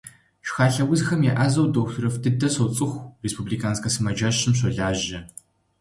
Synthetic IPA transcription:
ʃxaːɬɐwʊzxɐmjaːʔazɐwdoxtʰɾɐfdɨdɐɕɐwt͡sʼɨxʷrespublikʰaːnskʰɐsɨmɐd͡ʒɐɕɨmɕ̬ʷɐɮaːʒɐ

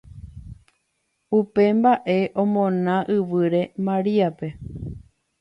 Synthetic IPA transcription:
upe̞mbaʔe̞ʔõ̞mõ̞nãʔɨʋɨɾe̞mãɾiape̞

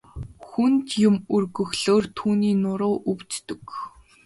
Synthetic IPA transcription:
xunt̪jʊmɵrɣɵ̆xɮoːrt̪ʰuːniːnʊɾʊːʔɵwt͡st̪ɵ̆k

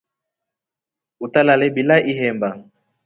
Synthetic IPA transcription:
utalalɛbilaʔiɦɛmba

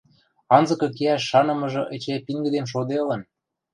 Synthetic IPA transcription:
ɑnzɤ̆kɤ̆k̬eæʃːɑnɤ̆mɤ̆ʒɤ̆ʔet͡ɕepiŋɡə̆d̪enʃ̬od̪elɤ̆n

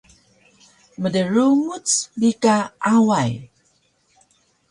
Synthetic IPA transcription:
mədəɾuŋut͡sbikaawaj

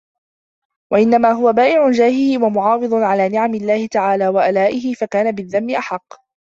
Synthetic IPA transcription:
waʔɪnːamaːɦʊwabaːʔɪʕʊnd͡ʒaːhɪhɪwamʊʕɑːwɨðˤʊnʕalaːnɪʕamɪlːaːhɪt̪aʕaːlaːwaʔalaːʔɪɦɪfakaːnabɪðːamːɪʔaħɑqː

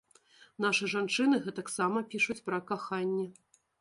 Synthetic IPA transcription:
naʂɨʐant͡ʂɨnɨɣɛt̪ɐksamɐpʲiʂut͡sʲpɾɐkaxanʲːɛ

